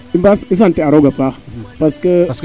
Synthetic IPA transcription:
imbasis̬anteaɾoɡapapaskə

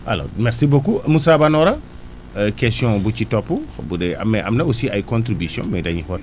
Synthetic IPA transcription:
ʔa̰lo̰mɛɾsibokumusabanɔɾɐ | kɛstjɔ̃bucitɔpːubudɛɐ̰mːɛʔɐ̰mnɐusiajkõntɾibisjɔ̰̃mɛdɐɲixɔ

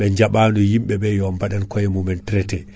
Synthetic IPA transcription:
ɓɛɲd͡ʒaɓaːnujimɓɛbɛjɔmbaɗankɔjɛmumɛntɾɛtɛ

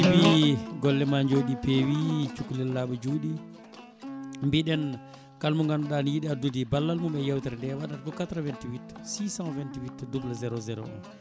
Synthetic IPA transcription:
ibiɡɔlːɛmaɲd͡ʒoɗipeːwit͡ʃukːulɛlːaɓud͡ʒuɗi | mbiɗɛn | kalmuŋɡanɔɗanjiɗiadudibalːalmumɛjawtɛɾndɛwaɗatkɔkatɾavɛntiwitsisãvɛntiwitdubulazɛɾɔzɛɾɔ̰ɔ̰n

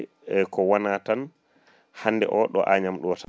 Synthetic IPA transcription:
ɛkɔwanaːtan | hanːdɛ̰ʔɔɗɔ̰ʔaɲamɗɔta

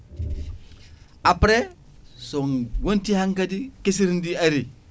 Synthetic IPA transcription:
apɾe | soŋwontihaŋkadikes̬iɾndiaɾi

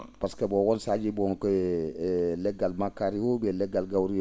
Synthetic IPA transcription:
paskebɔɡɔnsad͡ʒibɔŋkɔjɛ | lɛɡalmakːaɾiwobɛlɛɡalɡawɾi

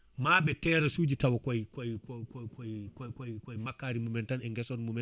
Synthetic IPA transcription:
maːɓɛtɛːɾasuːd͡ʒitawɔkɔjkɔjkɔkɔkɔjkɔkɔjkɔjmakːaːɾimumɛntanɛŋɡɛsɔnmumɛ

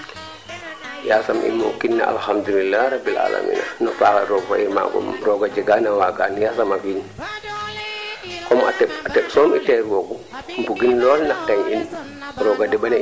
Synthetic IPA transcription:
jasamʔḭmɔkinːa̰a̰lhamd̪ulilːaɾabːila̰la̰mḭːna̰nɔfaːka̰ɾɔɡfa̰ʔima̰ɡɔ̰mɾɔɡad͡ʒɛɡanawaɡanjasamakin | kɔma̰tɛatɛɓsɔmitɛɾwɔɡɔ | mbuɡinlɔːlnaktɛŋin | ɾɔɡadɛɓan

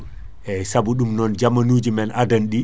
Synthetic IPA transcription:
ʔɛsabuɗumnɔnd͡ʒamanuːd͡ʒimɛnʔadanɗi

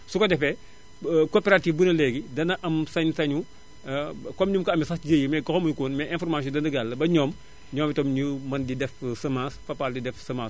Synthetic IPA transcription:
sukɔdɛfɛ | koːpɛɾatiːfbunɐlɛɡidɐnɐʔɐmsɐɲsɐɲu | kɔmɲumkɐɐmisɐsɟəjəmɛkɐxɔmuɲkoːnmɛʔɛ̃nfɔrmaːs̬jɔ̃dɐnɐɡalːɐbɐɲɔːm | ɲɔːmitɔmɲumɐndidɛfsɐmãːsfɐpaːldidɛfsɐmãːs

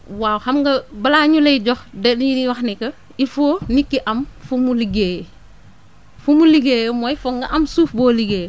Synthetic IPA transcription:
waːwhɐmɡɐbɐlaːɲulɐjɟɔxdɛnwɐxnikɐ | ifoːnikːiʔɐmfumuliɡej | fumuliɡeːjmɔjfɔŋɡɐʔɐmsuːfboːliɡeː

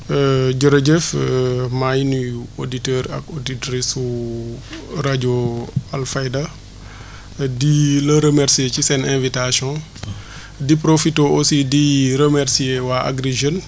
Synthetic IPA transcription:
əɟoɾɐɟɛfmajnujoditɛːɾɐ̰koditɾisu | raɟoalfajda | dilɐɾəmɛɾsiecisɛnɛ̃nvitasjɔ̃ | dipɾofitoʔosidiɾəmɛɾsiewaʔa̰ɡɾeʒən

